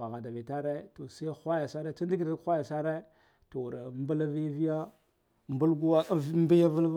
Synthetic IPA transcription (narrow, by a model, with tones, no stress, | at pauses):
a˨ɣa˨da˨vi˨ta˦ɾe˦to˨sa˦i˦xʷa˦ja˨sa˦ɾe˦t͡sa˦ndi˦ɡɾkʷa˦ja˨sa˦ɾe˦ | to˨ɾa˨mba˦la˦vi˦vi˦ja˦ | mbu˦lɡu˦wa˦vmbi˦ja˦və˦lv